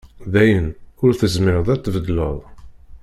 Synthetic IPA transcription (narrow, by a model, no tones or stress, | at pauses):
ðæjənʊɾθəzmɪɾəðˤæt͡s̪ːvəd̪lə̰ðˤ